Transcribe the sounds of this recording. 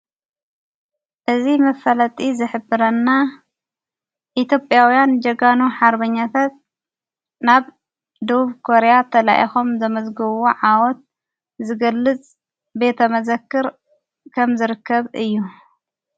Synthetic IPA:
ʔɨzimɐfɐlɐt̪ʼizɨħɨbɨɾɐnːa | ʔit̪ʰjo̞pʼjawijand͡ʒɐɡanuħaɾbɐɲːat̪ʰat̪̚ | naβ | d̪ɐβuβkʰo̞ɾejat̪ʰɐla̰ʔixo̞mzɐmɐzɡoβoʕawɔt̪̚ | zɨɡɐlːɨt͡sʼ | be̞t̪ʰɐmɐzɐkːɨɾ | kʰɐmzɨɾɨkʰːɐβɨjːu

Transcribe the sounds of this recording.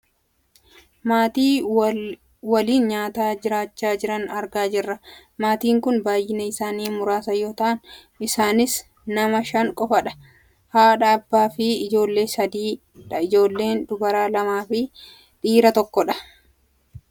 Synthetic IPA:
maːt̪iː | wɐliːnɲaːt̪aːd͡ʒɪɾaːt͡ʃːaːd͡ʒɪɾɐnɐɾɡaːd͡ʒɪrːɐ | maːt̪iːŋkʊnbaːjːɪnɐɪsaːniːmʊɾaːsɐjo̞ːt̪ɐʔɐn | ɪsaːnɪs | nɐmɐʃɐŋkʼɔfɐᶑɐ̥ | haːᶑɐːbːaːfɪɪd͡ʒo̞ːlːe̞ːsɐd̪iː | ᶑɐɪd͡ʒo̞ːlːe̞ːnd̪ʊbɐɾaːlɐmaːfɪ | ᶑ̪iːɾɐt̪ɔkːɔᶑɐ̥

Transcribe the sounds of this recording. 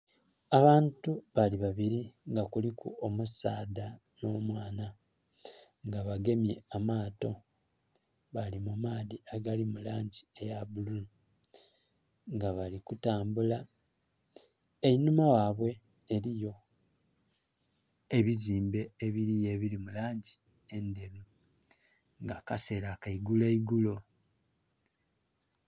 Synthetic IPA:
aβaːntuβaliβaβiɾiŋɡakulikṵomusaːda | no̞ːmwaːna | ŋɡaβaɡe̞mje̞̰amaːto̞ | βalimumaːðiaɡalimulaːɲɟie̞jaβululu | ŋɡaβalikutaːmbula | einumawaβwe̞ | eɾijo̞ | e̞βiziːmbe̞ːβiɾijeβiɾimulaːɲɟi | e̞nde̞ɾu | ŋɡakase̞ɾakaiɡuleiɡulo

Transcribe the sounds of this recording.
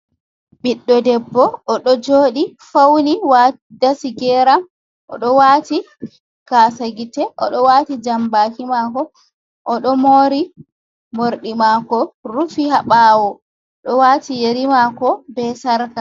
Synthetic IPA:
biɗːɔdɛbːɔʔːɗɔd͡ʒoːɗifawniwa | dasiɡɛːɾam | ʔɔ̰ɗɔwaːti | kaːsaɡitɛʔɔ̰ɗɔwaːtid͡ʒambakimakɔ | ʔɔɗɔmoːɾi | moɾɗimakɔɾufihaɓawɔ | ɗɔwaːtijeɾimakɔbɛsaɾka

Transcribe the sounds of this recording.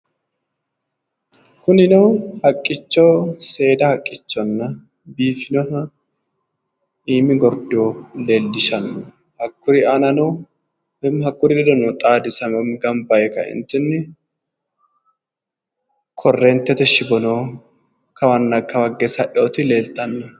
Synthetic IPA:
kʊnɪnoːhɐkʼːɪt͡ʃːoːse̞ːd̪ɐhɐkʼːɪt͡ʃːɔnːɐ | biːfɪnɔnɐ | iːmɪɡɔɾd̪oːleːld̪ɪʃɐnːɔ | hɐkːʊɾɪɐnɐno | bɛmhɐkʼːʊɾɪd̪ɛd̪ɔnɔt̪ʼaːd̪ɪsɐmɛmɡɐmbɐjɛkɐ̰ɪ̰nt̪ːɪnːɪ | kʰɔrːɛnt̪ːɛt̪ɛʃːɪbɔnoː | kʰɐwɐnːɐkːɐwɐɡːɛsɐʔoːt̪ɪleːlt̪ɐnːɔ

